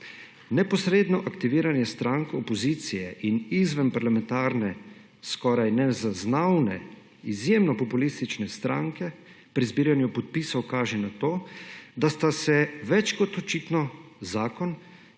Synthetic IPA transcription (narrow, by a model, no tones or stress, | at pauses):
nɛpɔsɾeːd̪nɔʔakt̪iʋiːɾanjɛst̪ɾaŋkɔpɔziːt̪sijɛʔinizʋənpaɾlamɛ̃nt̪aːɾnɛ | skɔːɾajnɛzaznawnɛ̰ | izjeːmnɔpɔpulist̪it͡ʃnɛst̪ɾa̰ŋkɛ | pɾizbiːɾjanjupɔt̪̚piːsɔwkaːʒɛnat̪oːd̪ast̪asɛʋɛt͡ʃkɔt̪ɔt͡ʃiːt̪nɔzaːkɔn